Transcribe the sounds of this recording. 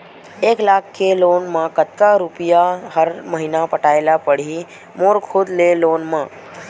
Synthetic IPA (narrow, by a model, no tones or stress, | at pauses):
eklakʰːelonmãkət̪ːaɾupijaɦəɾməɦinapəʈaelapəɽ̤i | moɾkʰʊd̪lelonmã